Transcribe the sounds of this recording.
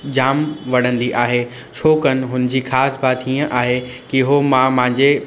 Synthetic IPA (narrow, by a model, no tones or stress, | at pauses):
d͡ʑaːmʋɐɽ̤ə̃nd̪iʔaːɦe | t͡ɕʰoːkənɪ̆ɦʊnd͡ʑiːxaːsbaːt̪iːə̃ʔaːɦekiɦomãmɐ̃ɦɪ̃ɲd͡ʑe